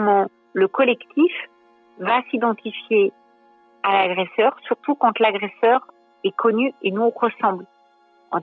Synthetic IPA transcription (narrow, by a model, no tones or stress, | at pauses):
mɑ̃ | ləkɔlɛkt̪ʰif | vasid̪ɑ̃t̪ifje | alaɡʁɛsœʁsyʁt̪ukɑ̃t̪laɡʁesœʁ | ɛkʰɔnyenuɔ̃ʁəsɑ̃bl | ɑ̰̃